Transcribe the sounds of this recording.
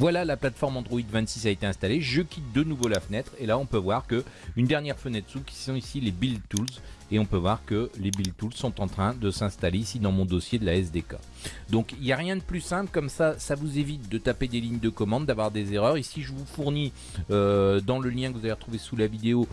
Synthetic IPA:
vwalalaplat̪fɔʁmɑ̃d̪ʁɔid̪vɛ̃nt̪sisaet̪eɛ̃st̪aleʒəkʲit̪̚d̪ənuvolafənɛt̪χelaɔ̃pøvwaʁkəynd̪ɛʁnjɛʁfənɛt̪sukʲi̥sɔ̃isilebilt̪ulzeɔ̃pøvwaʁkəlebilt̪ulzsːɔ̃t̪ɑ̃t̪χɛ̃d̪əsɛ̃st̪aleisid̪ɑ̃mɔ̃d̪ɔsjed̪əlaɛsd̪eka̰ | d̪ɔ̃kiljaʁjɛ̃d̪əplysɛ̃plkɔmsasavuzevit̪̚d̪ət̪aped̪eliɲd̪əkɔmɑ̃d̪ːavwaʁd̪ezeʁœʁisiʒəvufuʁni | ød̪ɑ̃ləljɛ̃kəvuzaveʁət̪χuvesulavid̪eo

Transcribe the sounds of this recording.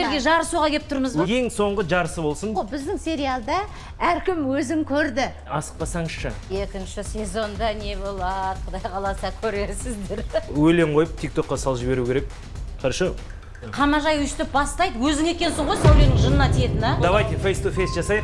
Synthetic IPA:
eɾɡʲe̞ʒɑɾəsuʁɑkʲelɪp̚t̪ʰʊɾməzje̞ŋso̞ɴʁəʒɑɾəsəbo̞lˠsənbɪzd̪ɪŋsʲe̞ɾialˠd̪ɑ | æɾkʲʰɪmwɵzɪŋkʲʰɵɾd̪ɪ | ɑsə̥q̚pɑsɑɴəzʃəe̞kʲɪnʃɪsʲe̞zo̞nd̪ɑne̞bo̞lˠɑd̪əqʰd̪ɑjqʰɑlˠɑsɑkʲʰɵɾesɪzd̪eɾwɵle̞ɴqʰo̞jəp̚t̪ʰik̚t̪o̞qːɑsɑlˠʒɪbe̞ɾukʲeɾek̚ | qʰəɾʃə | qʰɑmɑʒɑjʏʃt̪ɪp̚bɑst̪ɑjd̪əwɵzɪŋe̞kʲe̞nsɪɴʁojsæwlenɪŋʒənːɑt̪ijet̪ɪnɑd̪ɑvɑjt̪efejst̪ufejst̪ʒɑsɑjəq

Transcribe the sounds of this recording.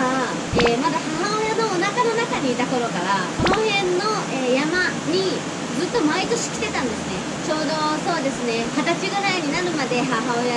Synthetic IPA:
a | eːmad̪ahaɦao̞jano̞ːnakano̞nakaɲ̟iːt̪ako̞ɾo̞kaɾakoñhẽ̞nːo̞ | eːjama | ɲ̟i | zɨt̪ːo̞mait̪o̞ɕi̥kʲt̪e̞t̪ãnd̪e̞sɨne̞ | t͡ɕo̞ːd̪o̞so̞ːd̪e̞sɨne̞hat̪at͡ɕiɡɯ̟ɾaiɲ̟inaɾɯ̟mad̪e̞ɦaɦaoja

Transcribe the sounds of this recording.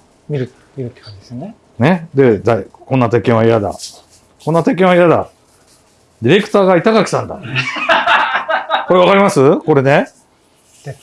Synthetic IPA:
mʲiɾɯ̟ | miɾɯ̟t̪ːe̥kãɲd͡ʑid̪esne | ne̞d̪e̞d̪aikõ̞nːat̪ekẽɰ̃βaijad̪a̰ | kõ̞nːat̪ek̬ẽaijad̪a̰ | d̪ʲiɾe̞kɯ̟̥t̪aːɡait̪aɡakʲi̥t̪ãnd̪a̰ | ko̞ɾe̞β̞akaɾʲimasɨko̞ɾe̞ne̞

